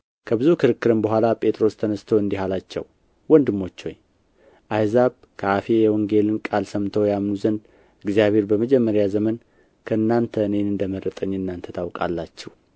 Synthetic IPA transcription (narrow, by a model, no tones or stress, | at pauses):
kʰəbɨzukʰɨɾɨkːɨɾɨmbəɦʷalapʼʰe̞t̪ʼɾo̞st̪ʰənəst̪ʰəwɨnd̪iɦalat͡ʃːɛ̰w | wɔnd̪ɨmːo̞t͡ʃːho̞̰ɲ | ʔajzaβ | kʰəafejɛwɔŋɡe̞lɨnkʼalsəmt̪ʰəwjamnuzənd̪ | ɨɡzijaβe̞ɾbəməd͡ʒɛmːəɾjazəmən | kʰəɨnːant̪ʰəɨne̞nɨnd̪əmərːət̪ʼəɲːɨnːant̪ʰət̪ʰawkʼa̰lːat͡ʃːɛw